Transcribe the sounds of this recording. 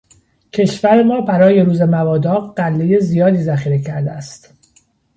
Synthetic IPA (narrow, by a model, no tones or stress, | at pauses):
cʰe̞ʃvæɾe̞mɒːbæɾɒːje̞ɾuːze̞mævɒːd̪ɒːɣɢælːe̞je̞zijɒːd̪iːzæχiːɾe̞cʰæɾd̪eæst̪